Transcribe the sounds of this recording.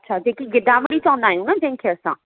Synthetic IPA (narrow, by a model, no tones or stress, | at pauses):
ɐtːʃʰad͡ʒeːkiɡɪd̪ãməɽitãːnd̪aːɦjũːnad͡ʒẽnkʰeəsãː